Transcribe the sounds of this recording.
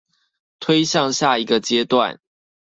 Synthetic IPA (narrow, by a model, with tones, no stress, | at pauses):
t̪ʰwe˦ɪɕɑ˥˨ŋɕja˥˩i˨˦˥ɡə˨t͡ɕjɛ˦t̪wa̰˥˨n